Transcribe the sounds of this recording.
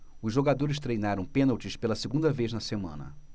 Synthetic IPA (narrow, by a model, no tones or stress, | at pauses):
ʊzʒoɡad̪oɾɪst̪ɾejnaɾɐ̃w̃pẽnɐwt͡ʃɪspelɐseɡũnd̪ɐvejznɐsemɐ̰̃nɐ̰